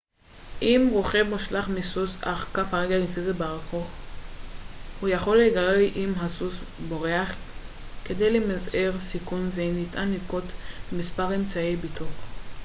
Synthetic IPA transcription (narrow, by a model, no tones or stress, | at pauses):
ʔimʁoχevmuʃlaχmisusaχkafhaʁeɡalifizebaʁakoχ | hujaχo̞lːeɡaleʔimɦasusbo̞ʁeaχ | ked̪ejlemazeʁsikunzenitʔanikot̪bemispaʁemt͡saibitu